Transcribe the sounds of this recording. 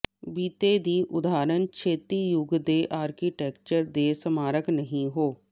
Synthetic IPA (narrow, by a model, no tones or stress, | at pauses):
biːt̪eːd̪iːʔʊd̪aːɾənkʰeːt̪iːjʊɡd̪eːʔaːɾkiːʈɛːk̚t͡ʃəɾd̪eːsəmaːɾəknəɦĩɦoː